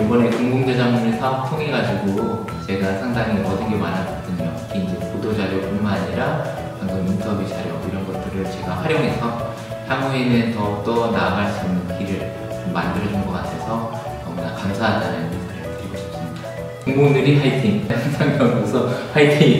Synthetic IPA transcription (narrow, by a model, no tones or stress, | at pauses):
ibʌne̞koŋɡoŋd͡ʑʌd͡ʑaŋmumesʰʌtʰoŋeɡad͡ʑiɡo | t͡ɕe̞ɡasʰaŋdaŋiʌdɯnɡe̞manɦad͡ʑʌd͈ɯɲokiind͡ʑepodod͡ʑaɾjopuɭmaaɲiɾa | kaŋɡʌnintʰʌbjud͡ʑaɾjʌiɾʌnɡʌt͈ɯɾɯɭt͡ɕe̞ɡaɸwaɾjʌŋɦe̞sʰʌ | hʰjaŋuenɯntʌt͈ʌnaɡaɭs͈uʌmnɯnkiɾɯɭ | t͡ɕomːandɯɾʌd͡ʑʌŋɡʌɡatʰesʰʌ | nʌmbunakamsʰaɦadaɾanɯnesʰaɾɯɡɯteɡoɕʰi̥p̚s͈ɯmɲida | koŋɡoŋnɯɾipʰaitʰiŋaŋsʰaŋdaŋosʰʌpʰaitʰiŋ